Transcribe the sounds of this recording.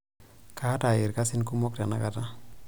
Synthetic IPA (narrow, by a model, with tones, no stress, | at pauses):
ka˦ta˨ɪ˨ɾka˦sɪ˦nku˦mɔ˦k̚ta˨na̰˦ka˦ta˦